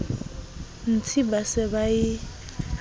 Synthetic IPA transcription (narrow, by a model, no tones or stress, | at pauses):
n̩t͡sʰibasɪbaɪ